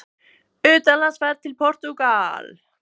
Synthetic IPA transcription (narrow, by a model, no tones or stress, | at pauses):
ʏːt̪anlansvɛɾt̪ʰɪlpʰɔr̥t̪ukal